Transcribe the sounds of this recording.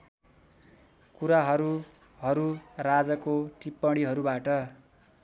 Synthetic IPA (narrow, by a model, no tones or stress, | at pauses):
kuɾaɦʌɾu | ɦʌɾurad͡zʌkoʈipːʌɽiɦʌɾubaʈʌ